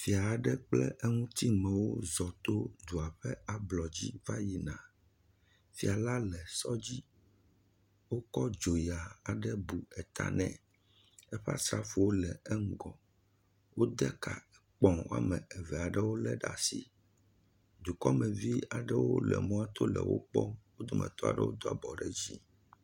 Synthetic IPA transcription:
fi˨a˨ɖɛ˦k͡plɛ˦ʔɛ˦ŋũ˦t̪i˦mɛ̃˨wo˦zɔ˨t̪o˦d̪u˨a˨ɸɛ˦a˨blɔ˨d͡ʑi˦va˦ji˨nã˨ | fi˨a˨la˦lɛ˨sɔ˦d͡ʑi˦ | wo˦kɔ˦d͡ʒo˨ja˨a˨ɖɛ˦bu˨ɛ˨t̪a̰˨nɛ̰̃˨ | ɛ˦ɸɛ˦a̰˦sɾa˦fu˨wo˦lɛ˨ɛ˦ŋ̩˦˨ɡɔ˨ | wo˦d̪ɛ˦ka˨k͡pɔ̃˨wo̰˦a̰˦mɛ̃˨ɛ˨vɛ˨a˨ɖɛ˦wo˦lɛ˦ɖa̰˨si˨ | d̪u˨kɔ˦mɛ̃˨vi˦a˨ɖɛ˦wo˦lɛ̰˨mũ˦a˦t̪o˦lɛ̰˨wo̰˦k͡pɔ˦wo˦d̪o˦mʔɛ̰̃˨t̪ɔ˦a̰˨ɖɛ̰˦wo˦d̪o˦a˨bɔ˨ɖɛ˦d͡ʑi˦

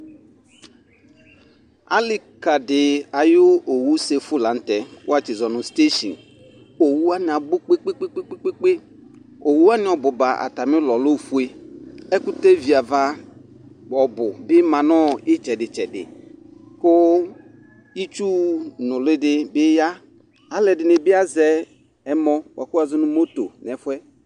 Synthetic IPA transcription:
a̰˨lɪ˨ka˨dɪ˨a˨jʊ˦o˨wu˦se˨fʊ˦la˨˦n̩˦t̪ɛ˨kʊ˦a˦t͡ʃɪ˨zɔ˨nʊ̃˨st̪e˦ʃḭ˨n | o˨wu˦a˦nɪ̃˨a˨bʊ˦k͡pe˦k͡pe˦k͡pe˦k͡pe˦k͡pe˦k͡pe˦k͡pe˦ | o˨wu˦a˦nɪ̃˦ɔ˨bʊ˨ba˨a̰˨t̪a˨mɪ̃˦lɔ˨lo˦fu˦e˦ɛ˦kʊ˦te˦vi˨a˨va˦ | bɔ˨bʊ˨bɪ˦mã˨nɔ˦˨ɪ˦t͡ʃɛ˨dɪ˨t͡ʃɛ˨dɪ̰˨kʊ˦ | i˦t͡ʃu˦nʊ̃˨lɪ˦dɪ˦bɪ˦ja˦ | a˨lɛ˨dɪ˨nɪ˨bɪ˦a˦zɛ˦ | ɛ˦mɔ˦wʔa̰˨kʊ˦a˨zɔ˦nʊ̃˦mo˦to˨n˨ɛ˨˦fʊ˦ɛ˦

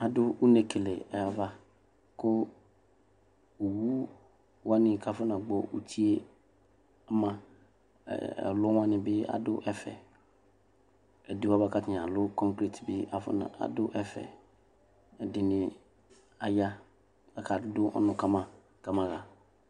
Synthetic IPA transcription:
a˨dʊ˦u˦ne˨kʰe˨le˨ɛ˨ja˨va˦ | kʊ˦ | o˨wu˦ | wa˦nɪ̃˨kʰa˨fʊ˦nã˨ɡ͡bɔ˨ʔṵ˨tʰi˦e˦ | a˦mã̰˦˨ | ɛ̰˨lʊ˦wã˦nɪ̃˨bɪ˦a̰˨dʊ˦ʔɛ˦fɛ̰˨ | ɛ˨dɪ˦wa˦va˦ka˦tɪ˨a̰˨lʊ˦kɔ̃˦ŋkɾi˨tbɪ˦a˨fʊ̰˦na̰˨a̰˨dʊ˦ʔɛ˦fɛ̰˨ | ɛ˨dɪ˨nɪ̃˨ | a˨ja˦ | a˨kʰa˨˦dʊ˦ʔɔ̰˦nʊ̃˨ka˦mã˨ | ka˦mã˨ɣa˨

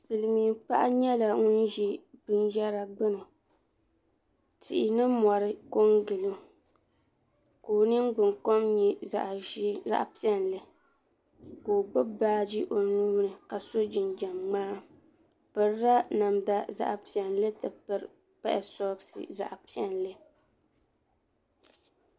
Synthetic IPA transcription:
sɨ˨lɨ˨miː˨˦k͡pa˦ʔa̰˦ɲɛ˦la˨ŋʊ˦n˦ʒi˦bɨ˦njɛ˦ɾa˨ɡ͡bɨ˦nɨ˨ | tɪ̰˨ʔɪ˨nɨ˦mɔ˨ɾɨ˦ko˦ŋɡɨ˨lɨ˦ | koː˨nɨ˦nɡ͡bɨ˨ŋko˦mɲɛ˦a̰˨ʔza̰˦ʔpi˦ɛ˦nlɨ˦ | koː˨ɡ͡bʊ˦baː˦d͡ʒi˦ʔo˨nuː˦nɨ˨ka˨so˦d͡ʒɪ˨nd͡ʒɛ˨mŋ͡maː˦ | pɨ˨ɾɾa˦na˨mda˦za̰˦ʔpi˨ɛ˨n˦lɨ˦tɨ˨pɨ˦ɾ | pɛ̰˦ʔɛ̰˨sɔ˦ɡsɨ̰˨za̰˨ʔpi˦ɛ˦n˨lɨ˦

